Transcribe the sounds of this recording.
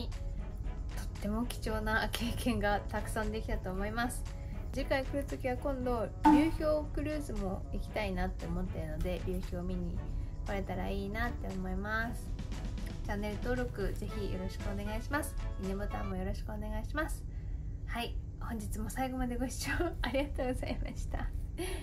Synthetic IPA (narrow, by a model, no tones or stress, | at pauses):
t̪ʰo̞̥t̪ːe̞mo̞kʲi̥t͡ɕo̞ːnakʰe̞ːkẽ̞ŋɡat̪akɯ̟̥sãnd̪e̞kʲit̪at̪o̞ːmo̞imasɨ̥ | d͡ʑikaikɯ̟ɾɯt͡sɨkʲiβakõ̞nd̪o̞ɾʲɨ̟ːçʲo̞ːkɯ̟ɾɯ̟ːzɨmo̞ikʲi̥t̪ainat̪ːe̞omo̞t̪ːe̞ɯ̟no̞d̪e̞ɾʲɨ̟ːçʲo̞ːmʲiɲ̟ikaɾe̞t̪aɾaiːnat̪ːe̞omo̞imasɨ̥ | t͡ɕanːe̞ɾɯ̟t̪o̞ːɾo̞kɯ̟ze̞çijo̞ɾo̞ɕi̥kɯone̞ɡaiɕimasɨ̥mʲinebɯt̪ãmːo̞jo̞ɾo̞ɕi̥kɯ̟one̞ɡaiɕimasɨ̥hai | hõ̞ɲ̟d͡ʑit͡sɨmo̞saiɡo̞mad̪e̞ɡo̞ɕi̥t͡ɕoːaɾʲiɡat̪o̞ːɡo̞zaimaɕi̥t̪a